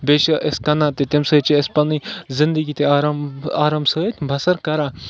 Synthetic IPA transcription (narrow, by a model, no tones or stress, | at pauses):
beʃɐʔeskɐnãt̪et̪imsɐt͡ʃiespɐnizɪnd̪əɡiːt̪eaɾamaːɾaːmsəət̪ʰʲbʱɐsɐɾkɐɾãː